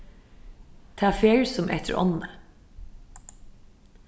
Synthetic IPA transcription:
t̪ʰɑːfeːɹsɔmʔɛ̰t̪ʰə̰ɹʔɔ̰nə

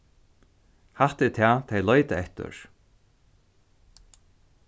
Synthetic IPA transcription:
haht̪ɪt̪ʰæːt̪ʰejlɔʏt̪əɛht̪ʏ̰ɹ

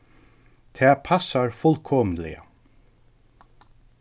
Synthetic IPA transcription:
t̪ʰɛːpʰasaɹfʊlkʰɔːmnlɛ̰ja̰

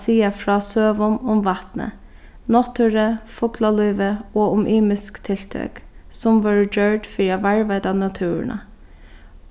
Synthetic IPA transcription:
siːafɹɑːsøːʋʊmʊmʋɑt̪nə̰ | nɔt̪ʰʉɾəfʊklalyːʋəoːʊmʔiːmɪskt̪ʰɪlt̪ʰœ̰ːksʊmʋɑːɹd͡ʒœɹdfiːaʋæɹʋæɪd̪anɑt̪ʰʉːɾə̰nʔɑ̰

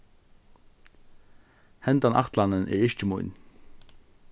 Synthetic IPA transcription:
hɛnt̪anʔa̰ht̪lanənʔɛ̰ɹɪʃt͡ʃɪmujn

